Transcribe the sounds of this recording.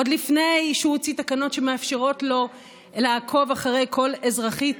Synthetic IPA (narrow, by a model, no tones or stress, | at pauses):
od̪lifne̞jʃut͡sit̪akano̞tʃe̞meafʃeʁo̞tlo̞ | laakʰo̞vaχaʁe̞jkʰo̞lezʁaχit